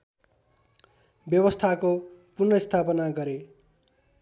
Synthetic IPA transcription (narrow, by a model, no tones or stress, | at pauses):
bjʌbʌst̪ʰakopurnʌist̪ʰapʌnaɡʌɾe